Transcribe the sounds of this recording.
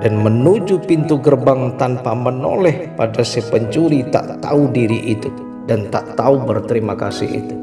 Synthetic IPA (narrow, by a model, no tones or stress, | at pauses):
danmənud͡ʒupint̪uɡərbaŋt̪anpaməno̰lɛhpadasɛpəɲt͡ʃuɾit̪a̰ʔt̪audiɾiʔit̪u | dant̪aʔt̪aubərt̪əɾimaka̰sɪ̰hḭt̪u̥